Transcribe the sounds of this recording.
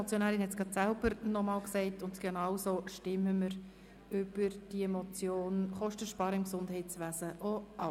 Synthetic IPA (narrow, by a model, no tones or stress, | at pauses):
ɔt͡sjonæːɾɪnhɛt͡sɡ̥ʁɑt̪sælb̥əɾnɔmɑːlksɛɪtʊntɡ̥enɑwsoːʃtɪmːəməɾ | ʏb̥əɾd̥iɛmɔt͡sjoːnχɔʃtəʃpɑːɾəɪmksʊndhɛɪtt͡sʋæːsəʔoɑ